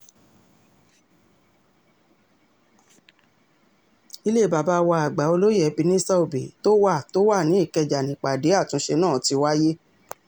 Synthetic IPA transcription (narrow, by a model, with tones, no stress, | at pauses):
i˧le˦˨ba˨ba˨˧wa˧a˨ɡ͡ba˨˦o˧lo˦jɛ˦˨˦bi˧nĩ˦sa˦o˨bḛ˨to˦wa˦˨to˦wa˦˨nĩ˨˦i˦˨kɛ˧d͡ʒa˨nĩ˨k͡pa˨de˨˦a˦˨tũ˨˦ʃe˧nãː˦˨ti˧wa˦je˦